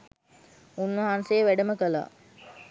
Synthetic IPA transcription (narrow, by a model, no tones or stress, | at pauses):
unːəɦansejʋæɖəməkəla̰ː